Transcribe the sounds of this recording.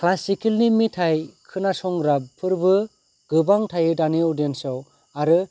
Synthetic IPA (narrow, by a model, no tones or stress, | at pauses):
kʰlasikilnimitʰajkʰɯnasɔŋɾabpʰɯɾbɯ | ɡɯbaŋtʰajɯdaniɔdiensaw | aɾɯ